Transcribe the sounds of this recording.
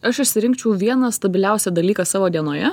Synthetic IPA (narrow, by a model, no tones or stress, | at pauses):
ɐʃɪʃʲsʲɪɾʲɪŋkt͡ʃʲɛʊʋʲiɛnɐst̪ɐbʲɪlʲæˑʊsʲɛːd̪ɐlʲiːkɑsɑːʋoːd̪ʲiɛnoːjɛ